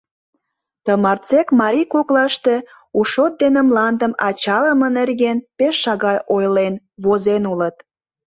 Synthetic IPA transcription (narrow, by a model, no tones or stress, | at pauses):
t̪əmɑrt͡sekmɑɾʲikoklɑʃt̪e | uʃot̪̚d̪enəmlɑnd̪əmɑt͡ɕɑləmənerɣenpeʃːɑɣɑjʔojlen | βozenulət̪